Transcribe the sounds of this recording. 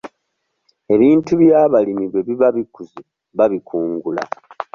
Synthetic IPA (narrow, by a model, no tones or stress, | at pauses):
e̞βiːntuβjaːβalimiβwe̞βiβaβikuzu | βaβikʰuːŋɡula̰